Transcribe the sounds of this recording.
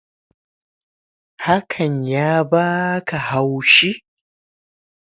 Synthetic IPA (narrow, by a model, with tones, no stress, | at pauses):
ha˦kʰɐ˨ɲjaː˦baː˦kʰa˨ha˦wʃi˦